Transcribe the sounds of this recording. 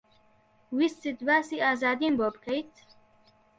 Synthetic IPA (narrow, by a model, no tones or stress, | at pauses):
wist͡sid̪baːsiaːzaːd̪imbobkʰajt̪ʰ